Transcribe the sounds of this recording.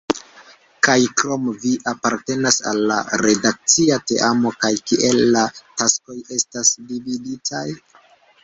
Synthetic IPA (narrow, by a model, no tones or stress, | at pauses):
kajkɾo̞mviʔapaɾte̞nasa̰lːa̰ɾe̞dak̚t͡siate̞̰ʔamo̞kajkiʔe̞lːatasko̞je̞stasdividitʰaj